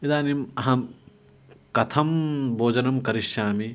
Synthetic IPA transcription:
id̪aːnimɐɦɐ̃ | kɐt̪ʰɐmbʱoːd͡ʒɐnɐmkɐɾiʃjaːmi

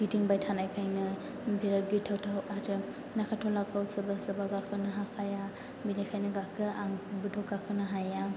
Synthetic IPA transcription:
ɡ̥itiŋbajtʰanajkʰajnɯ | bʱiɾaɾɡitʰawtʰawaɾɯ | nakʰatʰɔlakawsɯbasɯbaɡakʰɯnɯɦakʰaja | binajkʰajnɯɡakʰɯaŋbɯtʰɔɡakʰɯnɯɦaja

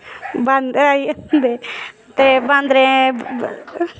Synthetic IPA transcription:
bãnɾaiənd̪eː | t̪eːbãnd̪ɾẽː

